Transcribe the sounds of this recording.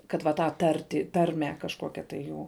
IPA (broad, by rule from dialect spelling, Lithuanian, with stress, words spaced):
kɐt ʋɐ ˈtɑː ˈtɐrʲtʲiː ˈtɐrʲmʲæː kɐʃˈkoːkʲɛ tɐɪ ˈjuː